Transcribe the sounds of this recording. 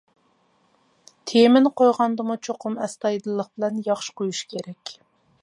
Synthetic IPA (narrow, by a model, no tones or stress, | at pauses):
t̪ʰemɪnqʰojʁɑnd̪ɨmut͡ʃʰoqʰʊmɛst̪ɑjd̪ɨlˠːəqbɪlɛnjɑχʃɪ̥qʰojuʃkʲʰeɾɛkʲ